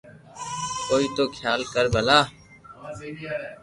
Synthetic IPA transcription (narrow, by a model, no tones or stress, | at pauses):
koːiːt̪oːkʰjaːlkəɾbʱəlaː